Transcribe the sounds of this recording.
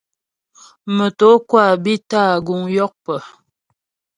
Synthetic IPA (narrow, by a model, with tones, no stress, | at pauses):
mə˨to˨˦kwa˦˨bi˦taː˦˨ɡu˨ŋjɔ˦k̚pə˨